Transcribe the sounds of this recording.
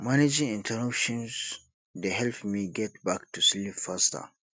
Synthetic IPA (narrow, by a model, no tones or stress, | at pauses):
maned͡ʒĩŋĩntʰəɾɔpʃɔ̃ns | deɦɛlpmiɡɛt̚baktuslipfastə̰